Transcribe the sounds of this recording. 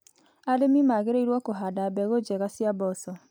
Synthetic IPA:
aɾemimaɣeɾeiɾwɔkoɦadabɛɣod͡ʒɛɣasjabɔsɔ

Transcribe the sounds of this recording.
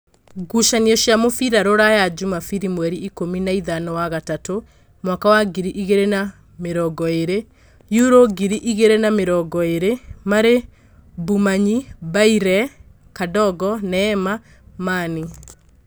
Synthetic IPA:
ɡuʃaniɔʃjamofiɾaɾoɾajad͡ʒumafiɾimwɛɾiikominaiðanɔwaɣatato | mwakawaɡiɾiʔiɣeɾena | meɾɔɡɔeɾe | juɾoɡiɾiʔiɣeɾenameɾɔɡɔeɾemaɾe | bumaɲibaiɾɛ | kadɔɣɔnɛːma | mani

